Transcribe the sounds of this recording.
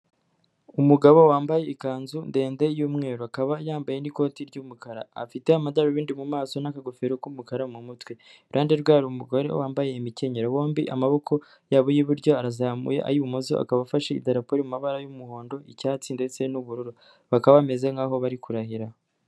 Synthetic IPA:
umuɡaβowaːmbaje̞ikaːnzunde̞ːnde̞juːmŋe̞ːɾoakaβajaːmbajeniko̞ːtiɾɟumukaɾa̰ːfite̞amadaɾoβiːndimumaːso̞nakaɡofeɾokumukaɾamumutwe | ɾʔaːndeɾɡwaːɾumuɡo̞ɾe̞̰waːmbaje̞imice̞ɲeɾowo̞ːmbiʔamaβo̞kʰo̞ | jaːβojiβuɾɟo̞aɾazamṵje̞̰ʔa̰juumuzo̰ʔa̰kaβafaʃeḭdaɾapoɾimumaβaɾajumuho̞ːndo̞icaːt͡sinde̞t͡se̞nuβuɾuɾo | βakaβame̞ze̞ŋɡaːɦo̞βaɾikuɾahiɾa

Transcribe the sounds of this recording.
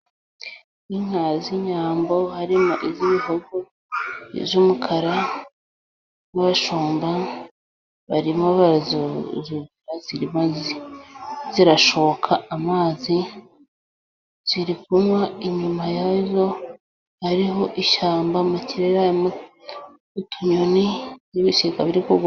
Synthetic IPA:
iŋ̥haziɲaːmbo̞haɾimoʔiziβihoɡo | ḭvjumukʰaɾa | naβaʃoːmba | βaɾimoβazzuviɾaz̥iɾimai | ziɾaʃokʰaamaːzi | z̥iɾikumwaiɲumajazo̞ | haɾiɦo̞ʔiʃaːmbamuciɾeɾam | utuɲonijiβiʃikaβiɾikoɡ

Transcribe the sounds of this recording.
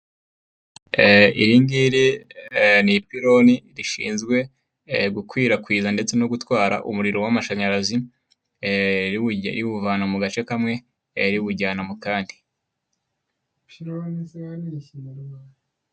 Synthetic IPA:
ḭɾiŋɡiɾi | nipiɾo̞niɾiʃḭːnzɡwe̞ | ɡukwiːɾakwiːzande̞t͡se̞noɡutwaːɾa̰ʔṵmuɾiɾo̞wamaʃaɲaɾazi | ɾiwuvaːnamuɡat͡ʃe̞kamŋe̞ | ɾiβuɟaːnamukaːndi | piɾonisaniʃinaɾwa

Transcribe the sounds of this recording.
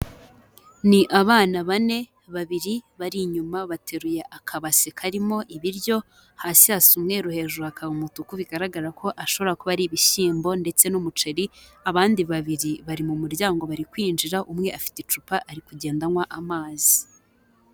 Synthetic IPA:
niʔaβaːnaβane̞ | βaβiɾiβaɾiɲumaβatʰe̞ɾujeʔakʰaβasekʰaɾimo̞ʔiβiɾjo̞ | hasiasumŋe̞ɾuhe̞ʒuhakʰaβamutukuβiɡaɾaɡaɾakʰo̞ʔaʃo̞βo̞ɾakoβaɾiβiʃiːmbo̞nde̞t͡se̞numut͡ʃe̞ɾiaβaːndiβaβiɾiβaɾimumuɾɟaːŋɡo̞βaɾikwiːnd͡ʒiɾaʔumŋe̞ʔafi̥tet͡ʃupaʔaɾikuɟe̞ːndanwaʔamaːzi

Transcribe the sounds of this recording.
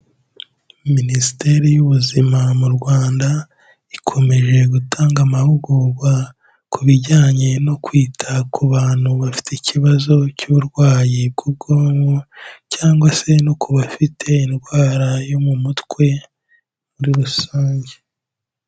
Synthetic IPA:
ministe̞ɾijuβuzimamuɾɡwaːnda | ikʰo̞me̞ʒe̞ɡutʰaːŋɡamahuɡuɡwa | kuβiɟaːɲe̞no̞kwiːtʰakuβaːn̥huβafi̥tecʰiβazo̞cuβuɾɡwaːjib̚ɡuːb̚ɡoːmocaːŋɡwase̞no̞kuβafitʰe̞inɡwaːɾajo̞mumutkwe̞ | muɾiɾusaːɲɟe

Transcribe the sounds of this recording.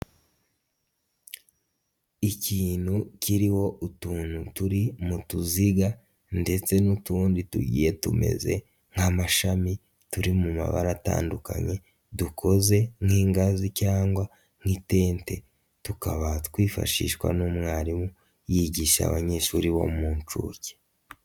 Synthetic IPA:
iciːnhuciɾiho̞ʔutuːn̥hutuɾimutuziɡa | nde̞t͡se̞nutuːndituɟḭːje̞tṵme̞̰ze̞̰ | ŋ̥hamaʃami | tuɾimuma̰βa̰ɾata̰ːnduka̰ɲe̞ | dukʰo̞ze̞ŋ̥hiːŋɡazicaːŋɡwa | ŋ̥hite̞ːnte̞ | tukaβatkwiːfa̰ʃḭʃkwa̰numŋaːɾimu | jiɟiʃa̰βaɲe̞ʃuːɾiβo̰muːnt͡ʃṵːce̥

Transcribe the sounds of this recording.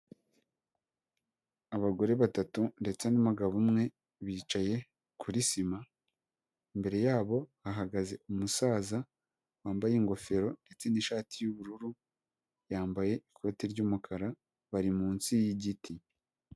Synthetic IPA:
aβaɡo̞ɾe̞βatatunde̞t͡senamaɡaβumŋe̞ | βiːt͡ʃaje̞ | kʰuɾisima | imbe̞ɾe̞jaːβo̞haɦaɡaze̞umusaːza | waːmbajeŋɡo̞fe̞ɾo̞nde̞t͡se̞niʃaːtʰijuβuɾuɾu | jaːmbaje̞ikʰo̞tiɾɟuːmukʰaɾa | βaɾimuːnsijiɟiti

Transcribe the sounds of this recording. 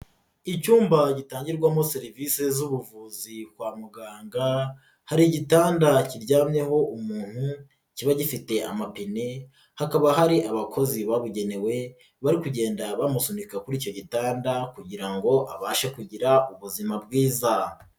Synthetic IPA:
icuːmbaɟitaːɲɟiɾɡwamose̞ɾiviːse̞zuβuvuzibkwaːmuɡaːŋɡa | haɾiɟitaːndaciɾɟaːmɲe̞ho̞ʔumuːn̥hu | ciβaɟifite̞a̰mapine | hakaβaɦaɾiʔaβakʰo̞ziβaβuɟe̞ne̞we̞ | βaɾikuɟe̞ːndaβamusunikakuɾiːco̞ɟitaːndakuɟiɾaŋɡo̞ʔaβaːʃekuɟiɾaʔuβuzimabɡiːza

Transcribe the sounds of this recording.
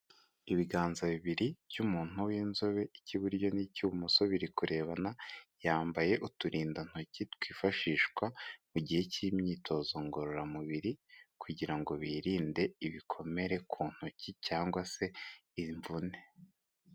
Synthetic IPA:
iβiɡaːnzaβiβiɾiβjumuːn̥huwinzo̞βe̞ʔiciβuɾɟo̞nicuβumuso̞βiɾikuɾe̞ːβanajaːmbaje̞ʔutuɾiːndan̥hucitwiːfaʃiːʃkwamuɟihecimɲiːtʰo̞ːzo̞ŋɡo̞ɾoɾamuβiɾikʰuɟiɾaŋɡo̞βiːɾiːnde̞iβikʰo̞me̞ɾe̞kʰuːn̥hucicaːŋɡwase̞iɱvune̞̥

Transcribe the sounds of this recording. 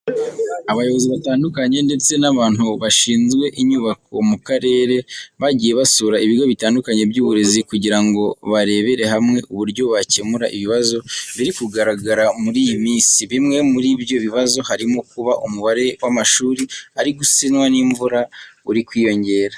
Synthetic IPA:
aβajo̞βo̞ziβataːndukaɲe̞nde̞t͡se̞naβaːn̥huβaʃiːnzɡwe̞ʔiɲuβako̞̰mukaɾe̞ːɾe̞βaɟiːje̞βasuɾaiβiɾɡo̞βitaːndukaɲe̞bjuːβuɾe̞zikuɟiɾaŋɡo̞βaɾe̞βe̞ɾe̞ɦamŋe̞ʔuβuɾɟo̞βace̞muɾaʔiβiβazo̞βiɾikuɡaɾaɡaɾamuɾiːjimiːnsiβimŋe̞muɾibjo̞βiβazo̞haɾimokuβaʔumuβaɾe̞wamaʃuːɾiaɾiɡusinwaniɱvuɾauɾikwiːjo̞ɲɟe̞ːɾa

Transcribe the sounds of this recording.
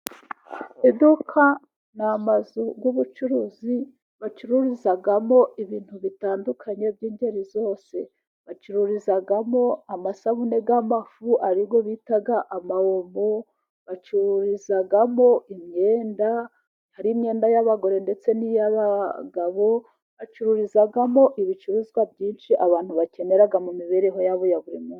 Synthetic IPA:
edukʰa | namazuɡwuβut͡ʃuɾuzi | βat͡ʃuɾuɾizaɡamo̞ʔiβiːn̥huβitaːndukʰaɲe̞vjiːɲde̞ɾizo̞ːse̞ | βat͡ʃuɾuɾizaɡamo̞amasaβune̞ɡamafuʔaɾiɡo̞βitaɡaʔamahomo | βat͡ʃuɾuɾizaɡamo̞ʔimɲe̞ːnda | haɾiːmɲe̞ːndajaβaɡo̞ɾe̞nde̞t͡se̞nijaβaɡaβo̞ | βat͡ʃuɾuɾizaɡamo̞ʔiβit͡ʃuɾuzɡwabɟiːnʃiʔaβaːn̥huβace̞ne̞ɾaɡamumiβe̞ɾeɦo̞jaβujaβuɾimu

